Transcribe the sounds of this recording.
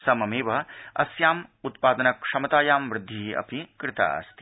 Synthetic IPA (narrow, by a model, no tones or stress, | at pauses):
sɐmɐmeːʋɐɐ̰sjaːmut̪̚paːd̪ɐnɐkʂɐmɐt̪aːjaːmʋɾɪd̪ʱːiʔɐ̰pikɾɪt̪a̰ɐ̰st̪i̥